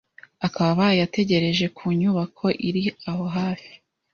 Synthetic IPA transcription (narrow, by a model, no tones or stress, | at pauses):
akaβaβajate̞ɟe̞ɾe̞ʒe̞kʰuːɲuβakʰo̞ʔiɾiaho̞ɦaːfi̥